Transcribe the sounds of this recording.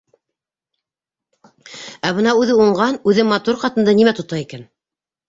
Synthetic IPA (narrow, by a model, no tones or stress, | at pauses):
æbɤnɑʉðɘuɴɢɑnʉðɘmːɑt̪uɾqɑt̪ɤ̆nd̪ɑnimæt̪ŏt̪ɑikæn